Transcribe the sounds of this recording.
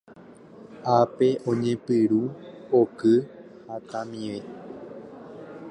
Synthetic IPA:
ape̞ʔõ̞ɲẽ̞pɨɾuokɨ | hat̪ãmĩʋe

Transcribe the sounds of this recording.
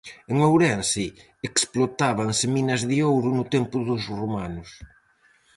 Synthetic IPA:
eŋowɾɛnsɪ | eksplot̪aβaŋsɪminɐzðɪowɾʊnʊt̪empʊðʊzrumanʊs

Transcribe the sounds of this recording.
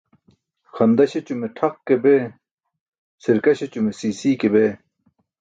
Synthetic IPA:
xʰɐnd̪ɐɕet͡ɕumeʈʰɐqkebeː | siɾkɐɕet͡ɕumesiːsiːkebeː

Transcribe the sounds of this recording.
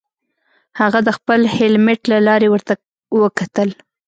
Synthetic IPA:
haɣad̪əxpəlhɪlmeʈlalɑɾewəɾt̪a | wəkat̪əl

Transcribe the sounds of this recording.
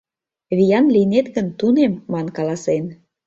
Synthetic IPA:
βijɑnlinet̪ɣə̆nt̪unemːɑnkɑlɑsen

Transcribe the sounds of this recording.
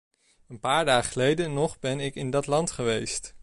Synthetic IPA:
ənpaːɹdaːχəlejdənɔχbɛnɪkɪndɑtlɑntχəʋejst

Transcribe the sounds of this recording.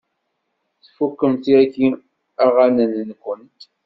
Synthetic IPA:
θfukːəmt̪iæki | aʁanənnkʷːənt̪

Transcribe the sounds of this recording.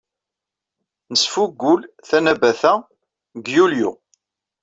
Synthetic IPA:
nəsfuɡːʊl | θænæbæθæ | ɡjulju

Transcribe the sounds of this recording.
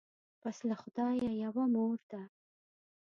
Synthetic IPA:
paslaxʊd̪ɑjajawamoɾd̪a

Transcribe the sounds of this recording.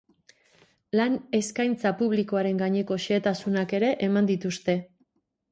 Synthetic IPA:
lane̞skajnt͡sapuβ̞liko̞aɾe̞ŋɡaɲe̞ko̞ʃeːt̪asunake̞ɾe̞ʔemand̪it̪ust̪e̞

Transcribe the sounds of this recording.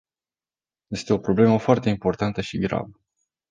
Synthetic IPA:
je̞st̪e̞o̞pɾo̞ble̞məfoart̪e̞impo̞rt̪ant̪əʃiɡɾa̰bə

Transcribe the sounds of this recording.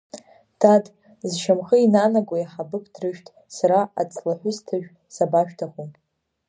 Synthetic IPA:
tʰadʼ | zʃamχəinanaɡʷajaħabɨkʰʼdrɨʃᶣtʼ | saɾaa̰t͡sʼlaħʷʊstʰɨʒᶣ | sabaʃᶣtʰaχon

